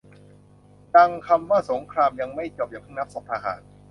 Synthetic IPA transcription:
ta˧ŋkʰa˧mːɯː˥˩so˩˦ŋkʰɾaː˧mja˧ŋma˥˩jt͡ɕo˨˩p̚jɛː˨˩pʰɯː˥˩na˦˥p̚so˨˩p̚tʰaː˧˩ha̰ː˩˦n̚

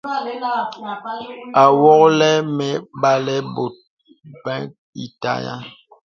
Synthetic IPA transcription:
a˨wɔ˦klɛ˦mɛ˨ba˨lɛ˦bo˨t̚ | bɛ̃˦ | i˨ta̰˨ja̰˦

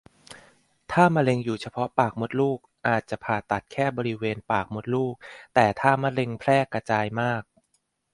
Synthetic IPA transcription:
t̪ʰaː˥˩ma˧le˧ŋjuː˨˩t͡ɕʰa˧pʰɔ˦˥paː˨˩k̚mo˦˥t̪̚luː˥˩k̚ʔaː˨˩t̪̚t͡ɕa˨˩pʰaː˨˩t̪a˨˩t̪̚kʰɛː˥˩bɔː˧ɾi˦˥weː˧npaː˨˩k̚mo˦˥t̪̚luː˥˩k̚t̪ɛː˨˩t̪ʰaː˥˩ma˦˥le˧ŋpʰɾɛː˥˩ka˧t͡ɕaː˧jmaː˥˩k̚

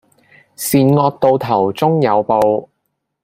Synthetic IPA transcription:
siː˨nŋɔː˧k̚t̪o˨˧wt̪ʰɐ˨˩wt͡sʊ˥ŋjɐ˨˧wpo˨˧w

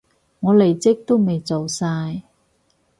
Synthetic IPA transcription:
ŋɔː˨˧le˨˩jt͡sɪ˥k̚t̪o˥wme˨jt͡so˨wsaː˧j

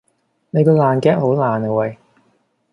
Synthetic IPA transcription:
ne˨˧jkɔː˧laː˨˩nkɛː˥k̚ho˨˥wlaː˨˩nɐ˨wɐ˨˧j

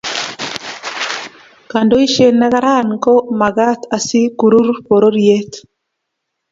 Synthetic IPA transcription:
ka˨ndo˦i˦ʃe˦˨na˦ɣa˦ɾa˦˨nko˦ma˨ɡa˦t̪a˨si˦ku˨ɾu˦ɾpo˨ɾo˦ɾie˦t̪

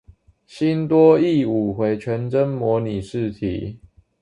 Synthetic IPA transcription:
ɕi˦nt̪wɔ˦i˥˨u˨˩xwe˨˦ɪt͡ɕʰɥɛ˨˦nʈ͡ʂə˦nmwɔ˧˥ni˨˩ʂɻ̩˥˨t̪ʰḭ˨˦

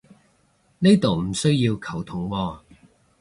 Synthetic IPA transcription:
ne˥jt̪o˨wm̩˨˩sɵ˥ɥjiː˧wkʰɐ˨˩wt̪ʰʊ˨˥˦ŋwɔː˧

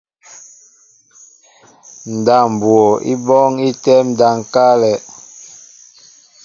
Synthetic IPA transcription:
n̩˨da˨m˨bwɔ˨ʔḭ˦bɔ˦ŋi˦tɛ˦m̩˨da˨ŋ˨ka˦lɛ˨

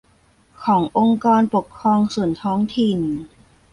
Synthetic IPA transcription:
kʰɔː˩˦ŋʔo˧ŋkaː˧npo˨˩kʰːɾɔː˧ŋsu˨˩ənt̪ʰɔː˦˥ŋt̪ʰi˨˩n

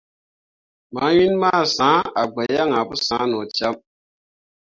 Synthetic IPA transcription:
ma˨˦wi˦nma˦˨sãː˨˦a˨ɡ͡bɛ˨ja˦ŋa˨bu˦sã˨˦nɔ˨t͡ʃa˦m

